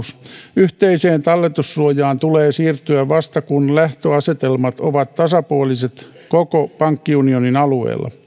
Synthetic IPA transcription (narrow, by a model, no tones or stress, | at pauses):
syht̪eiseːnt̪ɑlːet̪usruojɑːnt̪uleːsiːrt̪yæʋɑst̪ɑkunlæht̪øɑset̪elmɑt̪oʋɑt̪tɑsɑpuoliset̪ | kokopɑŋkːiunioninɑluḛːlːɑ̰